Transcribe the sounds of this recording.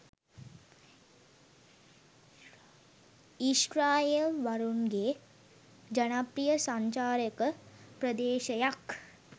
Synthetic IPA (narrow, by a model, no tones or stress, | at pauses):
iʃɾaːjeʋɐɾunɡeː | d͡ʒɐnapɾijəsaɲt͡ʃaːɾjəkəpɾəd̪eːʃɐjak